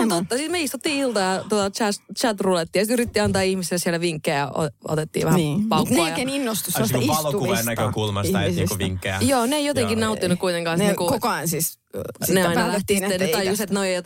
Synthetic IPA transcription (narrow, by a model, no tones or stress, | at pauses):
uot̪ːɑsit̪meist̪ut̪ːiːilt̪ɑjɑt̪ot̪ɑt͡ʃæst͡ʃæt̪rulet̪ːiːjsit̪yɾit̪ːiɑnt̪ɑːihmiselsielæʋiŋkːeːjɑ̰ʔo̰o̰t̪et̪ːḭːʋæhæpɑut̪nːojɑkeninːost̪usemːosɑlokuʋennækøkulmɑsiɑsnḭːskuʋḭŋkːḛjoːneeijot̪eŋkinnɑut̪ːinukkuit̪eŋkɑ̃nsniːŋkukokoɑnsis | sneɑinɑlæht̪isinːent̪ɑjuset̪noijot̪